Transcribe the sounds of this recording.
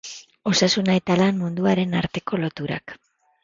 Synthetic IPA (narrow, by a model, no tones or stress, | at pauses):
o̞sasunae̞t̪alanmund̪uaɾe̞naɾt̪e̞ko̞lo̞t̪uɾa̰k